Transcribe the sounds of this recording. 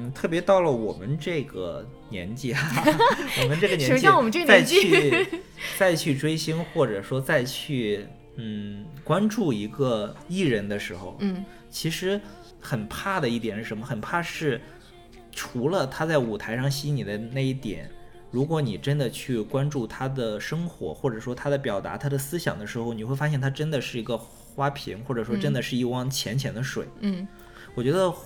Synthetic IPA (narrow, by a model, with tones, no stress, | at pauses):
t̪ʰɤ˥˩pjɛ˧˥t̪ɑ˥˩ʊlə˩wɔ̰˨˩mə˦nʈ͡ʂɤ˥˩ɡə̰˩ | njɛ̰˧˥nt͡ɕi˥˩˧ɔ˨˥mə˦nʈ͡ʂɤ˥˩ɡə˩jɛ˥o˧˩˥wɔ˨˩mə˦nʈ͡ʂt͡sa˧ɪt͡ɕʰy˥˧ | t͡sa˥˧ɪt͡ɕʰy˥˩ʈ͡ʂwe˥ɪɕi˥ŋxwɔ˥˩ʈ͡ʂɤ˨˩ʂwɔ˥t͡sa˥˧ɪt͡ɕʰy˥˩ | n̩˥˩kwa˥nʈ͡ʂu˥˩i˧˥ɡə˧i˥˩ɻə˧˥nd̪ə˧ʂɻ̩˧˥xo̰˧ʊ˥˩ | t͡ɕʰi˧˥ʂɻ̩˧˥ | xə˨˩npʰa˥˩d̪ə˩i˥˩jɛ˨˩nʂɻ̩˥˩ʂnmə˧xə˨˩npʰa˥˧ʂɻ̩˥˩ | ʈ͡ʂʰu˧˥lə˧t̪ʰa˥t͡sa˥˩ɪu˨˩t̪ʰa˧˥ɪʂɑ˥˩ŋɕi˥ni˨˩d̪ə˦na˥˧i˥˩t̪jɛ̰˨˩˦n | ɻu˧˥kwɔ˧˥ni˨˩ʈ͡ʂə˥nd̪ə˨t͡ɕʰy˥˩kwa˥nʈ͡ʂu˥˩t̪ʰa˥d̪ə˨˩ʂɤ˥ŋxwɔ̰˧˥xwɔ˥˩ʈ͡ʂɤ˨˩ʂwɔ˥t̪ʰa˥d̪ə˨pjɑ˨˩ʊt̪a̰˧˥t̪ʰa˥d̪ə˨sɹ̩˥ɕjɑ̰˨˩ŋd̪ə˦ʂɻ̩˧˥xo˧ʊni˨˩xwe˥˩ɪfa˥ɕjɛ˥˩nt̪ʰa˥ʈ͡ʂə˥nd̪ə˨ʂɻ̩˥˩i˧˥ɡə˧ | xwa˥pʰḭ˧˥ŋxwɔ˥˩ʈ͡ʂɤ˨˩ʂwɔ˥ʈ͡ʂə˥nd̪ə˨ʂɻ̩˥˧i˥˩wɑ˥˩ŋt͡ɕʰjɛ˧˥nt͡ɕʰjɛ˧˥nd̪ə˧ʂwḛ˨˩ɪ˥ | wɔ˨˩t͡ɕɥɛ˧˥d̪ə˧